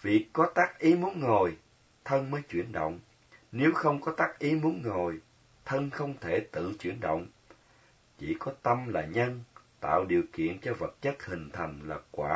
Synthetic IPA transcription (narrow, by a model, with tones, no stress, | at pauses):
vḭ˨˩˨əkːɔ˨˦t̪aː˦˥k̚ʔi˨˦mu˨˦ənŋo˨˩j | t̪ʰə˧nməː˨˦jt͡ɕwi˧˩ənɗo̰˧˨wŋ͡m | ne˨˦wxə˧wŋ͡mkɔ˨˦t̪aː˦˥k̚ʔi˨˦mu˨˦ənŋo˨˩j | t̪ʰə˧nxə˧wŋ͡mt̪ʰe˧˩t̪ɨ̰˧˨t͡ɕwi˧˩ənɗə̰˧˨wŋ͡m | t͡ɕḭ˧˩kɔ˨˦t̪ə˧mlaː˨˩ɲə˧nt̪a̰ː˧˨wɗi˨˩əwkḭ˧˨ənt͡ɕɔ˧və˨˩t̚t͡ɕə˦˥t̚hï˨˩ŋ̟t̪ʰa˨˩jŋ̟laː˨˩kwaː˧˩